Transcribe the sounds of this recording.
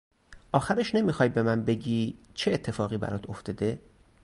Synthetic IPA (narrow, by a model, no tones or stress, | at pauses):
ʔɒːxæɾeʃne̞miːxɒːjbe̞mænbe̞ɟiːt͡ʃʰeːt̪ʰːe̞fɒːɣiːbæ̰ɾɒːt̪ʰoft̪ɒːd̪e̞